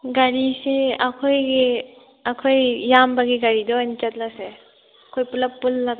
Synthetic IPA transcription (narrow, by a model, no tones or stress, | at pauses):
ɡaɾiseɐkʰojɡe | ɐkʰojːambaɡiɡɐɾidɔant͡ʃɐt̚lase | ɐkʰojpulɐpːulːaɡ